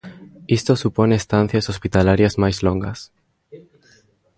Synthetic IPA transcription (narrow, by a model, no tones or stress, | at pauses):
ist̪osuponeest̪an̟θjasospit̪alaɾjazmajzloŋɡɐs